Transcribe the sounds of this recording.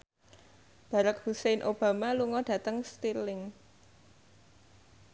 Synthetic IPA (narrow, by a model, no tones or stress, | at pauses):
b̥a̤ɾak̚husejnʔob̥a̤maluŋɔɖ̥ä̤t̪əŋst̪ilɪŋ